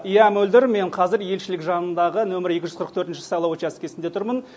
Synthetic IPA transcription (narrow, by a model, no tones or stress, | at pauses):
jæmɵld̪ɪɾme̞ɴqʰɑzɪɾje̞lʃɪlɪkʒɑnənd̪ɑʁənɵmɪɾje̞kʲɪʒʏzqʰəɾəq̚t̪ʰɵɾt̪ɪnʃɪ̥sɑjlˠɑwot͡ʃæskʲe̞sɪnd̪e̞t̪ʰʊɾmən